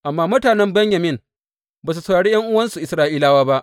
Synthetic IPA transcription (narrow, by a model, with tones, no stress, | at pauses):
ʔa˨mːaː˦mʊ˦taː˨nɛ˦mbɛ˦ɲjɐ˨mɪ˦n | baː˨s̬u˨sɐ˨wɽaː˨ɽiː˦jɐ˦ŋʔʊ˦wɐ˦nsu˨ʔɪ˨sɾaː˦ʔiː˦laː˦waː˦ba˦ʔ